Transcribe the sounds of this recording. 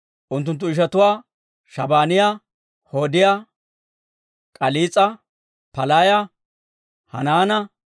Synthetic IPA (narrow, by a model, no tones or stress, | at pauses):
ʔʊnt̪̬ːʊnt̪̬ːʊɪʃɐt̪ʊwaː | ʃɐbaːnɪja | hoːd̪ɪjaː | kʼɐliːt͡sʼːɐ | pɐlaːjɐ | hɐ̰naːnɐ